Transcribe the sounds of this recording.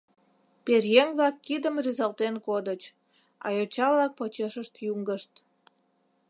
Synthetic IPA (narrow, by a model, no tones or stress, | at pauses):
perjeŋβlɑkːid̪əmryzɑlt̪enkod̪ət͡ɕ | ɑ̰jot͡ɕɑβlɑk̚pot͡ɕeʃəʃt̪juŋɡəʃt̪